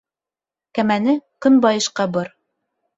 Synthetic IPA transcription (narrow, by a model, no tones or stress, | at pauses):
kæmænɘkɵnbɑjɤ̆ʃqɑbɤɾ